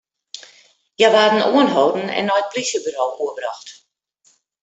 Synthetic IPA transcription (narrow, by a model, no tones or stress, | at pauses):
jaʋaːdn̩oənɦoːdn̩ɛ̰nːɔjət̚plisjəbyɾoːuəbraxt